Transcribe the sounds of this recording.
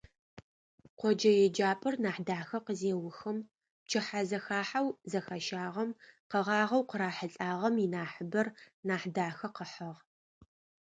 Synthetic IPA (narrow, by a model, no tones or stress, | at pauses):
qʷɔd͡ʒɐjɛd͡ʒaːpʼɨrnaːħdaːxɐqəzeːwʊxɐm | t͡ʃʰɪħazɐxaːħawzɐxɐʃaːʁɐmqəʁɑːʁɐwqəɾaːħəɬʼaːʁɐminaːħəbɐr | naːħdaːxɐqəħɐʁ